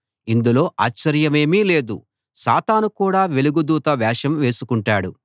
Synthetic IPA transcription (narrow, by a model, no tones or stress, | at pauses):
ind̪ulo̞ːʔaːt͡ʃt͡ʃːɐɾjɐme̞ːmiːle̞ːd̪ṵ | sa̰ːt̪aːnukuːɽaːʋe̞luɡud̪uːt̪ɐʋɛːʃɐmʋe̞ːsukuɳʈaːɽu